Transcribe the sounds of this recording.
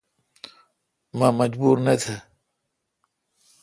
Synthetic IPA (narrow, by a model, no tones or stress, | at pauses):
mamɐd͡ʑbuːɾnɐt̪ʰɐ